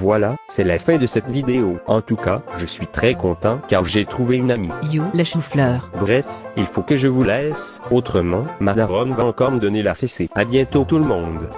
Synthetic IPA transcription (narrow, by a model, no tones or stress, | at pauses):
vwalasɛlafɛ̃d̪əsɛt̪vid̪eoɑ̃t̪ukaʒəsɥit̪χɛkɔ̃t̪ɑ̃kaʁʒet̪χuveynamijolaʃuflœːʁbʁɛfilfokəʒəvulɛsot̪χəmɑ̃mad̪aʁɔmvaɑ̃kɔʁməd̪ɔnelafeseabjɛ̃t̪ot̪uləmɔ̃ːd̪